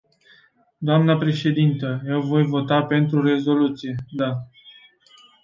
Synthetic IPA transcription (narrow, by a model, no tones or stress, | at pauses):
d̪oamnəpɾe̞ʃe̞d̪int̪əje̞wvo̞jvo̞t̪ape̞nt̪ɾure̞zo̞lut̪sije̞d̪a